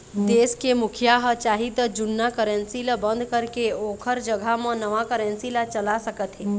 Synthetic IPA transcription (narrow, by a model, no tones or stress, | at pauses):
d̪eːskemʊkʰjaɦət͡ʃaːɦit̪əd͡ʒʊnːakəɾə̃nsilabə̃nd̪ʱkəɾkeoːkʰəɾd͡ʒəɡʱamə̃nəʋakəɾə̃nsilat͡ʃəlasəkət̪ɦɛː